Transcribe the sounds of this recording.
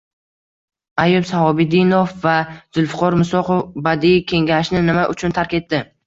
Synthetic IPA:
ajʊbsahɒbɪd̪inofːaz̥ʊlˠfʊqʰɒɾmʊsɒqofbad̪ikʲʰe̞ŋɡʲaʃnɪnɪmaʔʊt͡ʃʰʊnt̪ʰaɾkʲe̞t̪ːɪ

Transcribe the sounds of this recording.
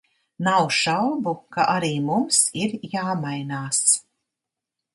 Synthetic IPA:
nawʃawbukaʔaɾiːmumsiɾjaːmajnaːs

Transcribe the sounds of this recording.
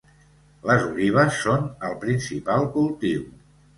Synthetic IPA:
ləzuliβ̞əsːonəlˠpɾinsipalˠkulˠt̪iw

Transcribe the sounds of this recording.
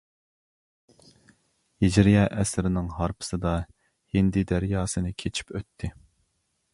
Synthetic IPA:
hid͡ʒɾijɛʔɛsɾɪnɪŋɦɑɾpʰɨ̥sɨd̪ɑ | hind̪ɪd̪æɾjɑːsɨnɨkʲʰet͡ʃʰi̥pøt̪ʰːɪ

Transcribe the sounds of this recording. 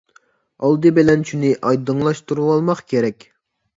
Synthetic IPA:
ɑlˠd̪ɨbɪlɛnt͡ʃʰunɪʔɑjd̪ɨŋlˠɑʃt̪uɾuwɑlˠmɑqkʲʰeɾɛkʲ

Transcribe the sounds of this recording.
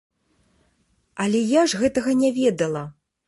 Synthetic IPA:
ɐlʲɛjaʐɣɛt̪ɐɣɐnʲɛvʲɛd̪ɐlˠɐ

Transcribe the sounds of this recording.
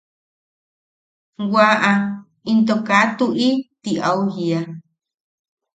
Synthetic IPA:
waʔa | int̪okat̪uʔit̪iʔauhia

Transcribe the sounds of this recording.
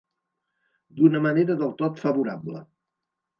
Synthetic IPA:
d̪unəməneɾəðəlˠt̪ot̪fəβuɾablə̰

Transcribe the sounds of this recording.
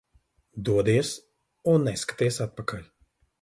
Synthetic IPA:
d̪uɔd̪iɛs | unːɛskḁt̪iɛsat̪̚pakalʲ

